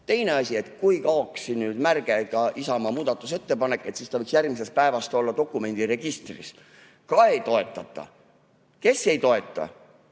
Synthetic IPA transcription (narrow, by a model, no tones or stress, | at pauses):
t̪e̞jne̞ɑsʲie̞t̪ˑkujkɑoksinyːd̪mærɡ̥eɡ̥ɑʔisɑmɑmuːd̪̥ɑt̪ːˑuse̞t̪ːe̞pɑnekːˑe̞t̪sist̪ɑvɤɯiksjærmis̬est̪̚pæevɑst̪o̞lːɑt̪o̞kːˑume̞nʲd̪̥ire̞ɡ̥ist̪rḭs | kɑejt̪o̞e̞t̪ˑːɑt̪ːˑɑ̰ | ke̞se̞jt̪o̞e̞t̪ːˑɑ̰